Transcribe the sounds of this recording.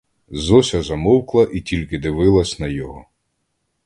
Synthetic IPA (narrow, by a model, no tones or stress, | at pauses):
zɔsʲɐzɐmɔwklˠɐʔitʲilʲkɪd̪ɪʋɪlˠɐsʲnɐjɔɦɔ